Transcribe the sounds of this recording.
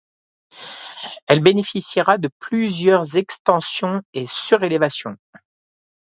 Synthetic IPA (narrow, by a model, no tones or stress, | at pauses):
ɛlbenefisiʁad̪əplyzjœʁzɛkst̪ɑ̃sjɔ̃esyʁelevasjɔ̃